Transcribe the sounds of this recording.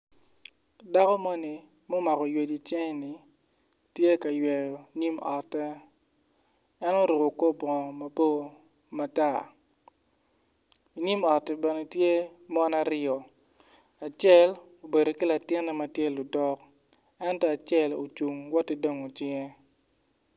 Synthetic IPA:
da˦kɔ˦mɔ˦ni˨ | mo˦ma˨kɔ˨jwe˨d͡ʒi˨t͡ʃe˦ŋ˦ni˨ | tje˦ka˨jwɛ˨jɔ˨ɲi˦mɔ˨tːɛ˦ | ɛ˦no˦ɾʊ˨ko˨ko˦bɔ˨ma˨po˦ | ma˨ta˦˨ | i˨ɲi˦mɔ˨tːɛ˨bɛ˨ne˨tje˦mɔ˦na˦ɾɪɔ˨ | a˨t͡ʃɛ˦˨l | o˨be˨do˨ki˦la˨tɪ˦nːɛ˦ma˨tje˦lʊ˨dɔ˦k | ɛ˦ntɔ˦a˨t͡ʃjɛ˦˨lo̰˨t͡ʃu˨ŋwɔ˦ti˦do˦ŋo˨t͡ʃɪ˦ŋe˦

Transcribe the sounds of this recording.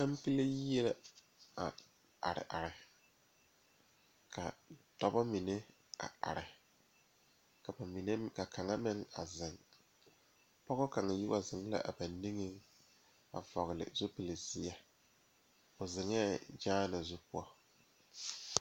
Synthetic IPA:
a˦mpi˦le˦ɛ˦la˦ | a˨ | a̰˨ɾɪ̰˨ʔa˨ɾɪ˨ | kʰa̰˨tɔ˦ba˦mi˨ne˦ | a̰˨a̰˨ɾɪ˨ | i˨n˦ka˨kʰa˨ŋa˦mɪ˦ŋa˨zɪ˨ŋ | pɔ˦ɣɔ˦ka˨ŋa˨ji˦wa˨zɪ˨ŋ˦la̰˦ʔa̰˨ba˨nːi˦ŋɪ˦ŋ | a̰˨vɔ˨ɣɪ˨lɪ̰˨zʊ˦pi˨le˨zɪ˦a˦ | ʊ˨zɪ˨ŋɛ˦d͡ʒaː˦na˨zʊ˦pʊ˦ɔ˨

